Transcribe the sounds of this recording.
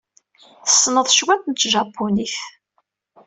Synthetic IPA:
θə̥sːnəðˤʃwænt̪nt͡s̪ːʒɑpːuniθ

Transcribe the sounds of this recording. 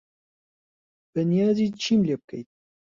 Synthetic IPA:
b̥ənjɑːzit͡ʃʰimlep̚kʰə̰jt̪̚

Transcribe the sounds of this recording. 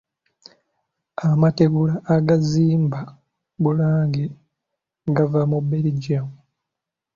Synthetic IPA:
amate̞ɡulaʔːɡaziːmba | bulaːŋɡe | ɡavamubeliɟamu

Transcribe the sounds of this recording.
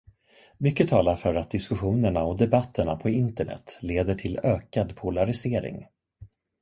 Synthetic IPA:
mʏkːət̪ʰɑːlaɾfœɾat̪̚d̪ɪskɵɧuːnəɳaɔd̪ɛbat̪ʰːəɳapʰɔɪnt̪əɳɛ̰t̪ːleːd̪əʈʰɪløːkad̪pʰʊlaɾɪseːɾɪ̰ŋ

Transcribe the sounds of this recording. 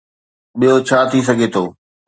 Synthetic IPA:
ɓijɦot͡ɕʰaːt̪ʰis̬ɐɡʱet̪ʰoː

